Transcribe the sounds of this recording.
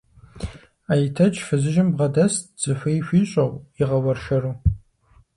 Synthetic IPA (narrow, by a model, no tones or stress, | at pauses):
aːjitʰɐt͡ʃʼʰfɨzɨʒɪmbʁɐdɐsz̥ɨfʷɐjɕʷiːɕʷʼɐwiʁɐwɐrʃɐɾuː